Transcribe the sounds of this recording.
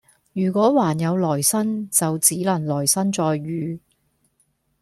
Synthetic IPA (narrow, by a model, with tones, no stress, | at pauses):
jyː˨˩kʷɔː˨˥waː˨˩njɐ˨˧wlɔː˨˩jsɐ˥nt͡sɐ˨wt͡siː˨˥lɐ˨˩nlɔː˨˩jsɐ˥nt͡sɔː˨jːyː˨˧